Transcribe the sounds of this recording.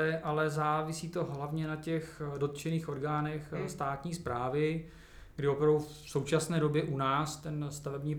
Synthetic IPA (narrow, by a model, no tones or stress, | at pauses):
ɛʔalɛzaːvɪsiːt̪o̞ɦlavɲɛnacɛxdo̞t̪t͡ʃɛniːxo̞ɾɡaːnɛxst̪aːt̪ɲiːspɾaːvɪ | ɡdɪopɾavdufso̞wt͡ʃasnɛːdo̞bjɛʔunaːst̪ɛnst̪avɛbɲiː